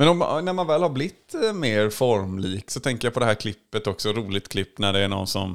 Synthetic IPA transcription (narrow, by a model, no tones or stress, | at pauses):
mɛnɔmnæɾmanvɛːlhaɾblɪt̪ːmeːɾfɔɾmliːksɔt̪ʰɛŋkəɾjapʰɔd̪ɛɦæːɾkʰlɪpːət̪ɔksɔɾuːlɪɡt̪kʰlɪpːnæɖɛːɳɔ̰nːsɔ̰m